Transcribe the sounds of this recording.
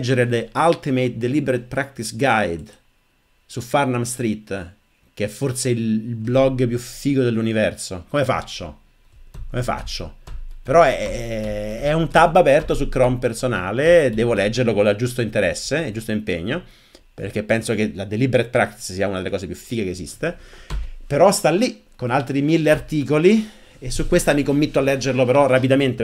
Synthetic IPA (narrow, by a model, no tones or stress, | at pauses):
d͡ʒːeɾelealt̪imejt̪̚d̪elibeɾet̪̚pɾak̚t̪isɡajd̪ | sufarnamst̪ɾit̪ː | k̟eɛfːorseililblɔɡːp̬jufiːɡod̪elːunivɛrsokomefa̰t͡ʃːo̰ | komefa̰t͡ʃːo̰peɾɔɛ | ɛunt̪abːapɛrt̪osukɾɔmpersonaːled̪ɛːvolɛd͡ʒːeɾrlokolad͡ʒust̪oint̪eɾɛ̰sːeed͡ʒust̪oimpeɲːo | pḛrk̟epːɛnsok̟elad̪elibeɾet̪̚pɾakt̪ssiːaunad̪elekɔːsepjufiːkekeːzḭst̪e | peɾɔst̪alːikonalt̪ɾimilːeart̪iːkoli | esːukwest̪amikomːit̪ːoalːɛd͡ʒːerlopeɾɔrapid̪ament̪e